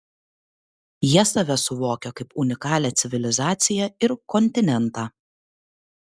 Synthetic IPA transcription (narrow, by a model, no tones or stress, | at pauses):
jiɛsɐʋʲɛsʊʋoːkʲɛkɐɪpʊnʲɪkɑːlʲɛːt̪sʲɪʋʲɪlʲɪzɑːt̪sʲɪjɛɪɾkɔnʲt̪ʲɪnʲɛnt̪ɑː